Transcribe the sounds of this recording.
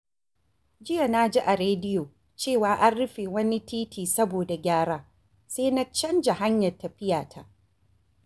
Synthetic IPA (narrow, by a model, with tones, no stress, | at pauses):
d͡ʒɪ˦ja˨na˦d͡ʒi˦ʔa˨ɾeː˦dɪ˦joː˨ | t͡ʃeː˦˨waː˦ʔa˦nɽʊ˦ɸeː˨wɐ˦ni˦tʰiː˦tʰiː˨sɐ˦boː˨da˨ɡʲaː˦ɽaː˦ | seː˦na˦t͡ʃɐ˦nd͡ʒa˨ɦa˦ɲjɐ˨rtːɐ˨ɸɪ˦jaː˨tʰa˨ʔ